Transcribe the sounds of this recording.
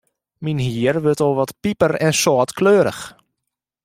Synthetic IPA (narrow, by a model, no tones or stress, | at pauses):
minɦiərʋøtoʋɔtpipərɛnsɔːtkløːəɾə̰x